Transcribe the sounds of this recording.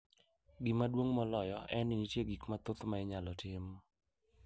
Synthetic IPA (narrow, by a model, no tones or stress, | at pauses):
ɡɪmadwoŋmɔlɔjɔɛnɪnitjeɡikmat̪ʊt̪maɪɲalɔtɪm